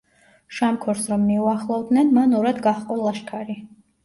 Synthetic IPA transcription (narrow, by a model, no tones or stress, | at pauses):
ʃamkʰɔɾsɾɔmːiuaχlˠɔvd̪nɛnmanɔɾad̪ɡaχqʼɔlˠaʃkʰaɾi